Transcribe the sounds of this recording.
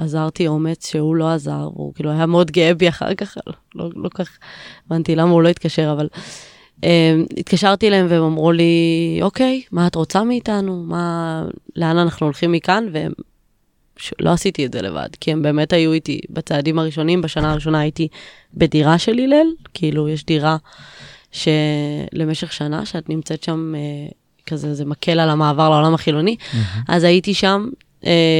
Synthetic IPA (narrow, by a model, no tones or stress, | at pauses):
azaʁtio̞me̞t͡sʃehulo̞aza̰ʁv̰ṵkiːluajameo̞dɡeebiaχa̰ʁkaχ | lolokaχevantilamaulo̞itkaʃe̞ʁaval | ʔemḭtkaʃaʁtilahe̞mveemamʁuliʔo̞ke̞jmaːtʁot͡samiːtanuma | leananaχnuolχimːikanveḛm | ʃlʔoasitietzele̞̰va̰dkiembe̞ːme̞thajuitḭbat͡saːdimaʁiʃo̞nimbaʃanaːʁiʃo̞naːjiti | bediʁaʃelilelkʰiilujeʃdiʁa | ʃe̞le̞me̞ʃe̞χʃana̰ʃeatnimt͡se̞tʃame | kazezemakʰe̞lalamaːvaʁleo̞lamaχilo̞niʔa̰zaitiʃam | e